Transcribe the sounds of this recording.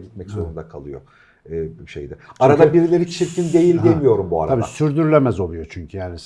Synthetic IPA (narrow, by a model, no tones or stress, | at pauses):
ɟit̪mɛczo̞ɾund̪akʰalˠɯjo̞̰ː | ʃejd̪ɛaɾad̪abiɾilʲe̞ɾit͡ʃʰiɾcʰind̪e̞jilʲd̪elʲmijo̞ɾumbua̰ɾaabiaːsyɾd̪yɾylʲemɛzo̞lˠujo̞t͡ʃʰyɲcʰyjaːni